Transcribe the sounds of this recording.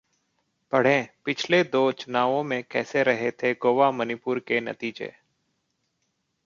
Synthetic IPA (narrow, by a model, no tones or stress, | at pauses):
pəɽ̤ẽːpɪt͡ʃʰled̪oːt͡ʃʊnaːʋõmẽkɛːseɾəɦet̪ʰeɡoːʋaːmənɪpʊːɾkenə̰t̪iːd͡ʒḛː